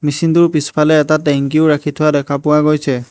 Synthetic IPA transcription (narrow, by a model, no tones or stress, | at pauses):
misindʊɹpispʰalɛːtatɛŋk̬iʊɹakʰitʰʊwadɛkʰapʊwaɡojsɛ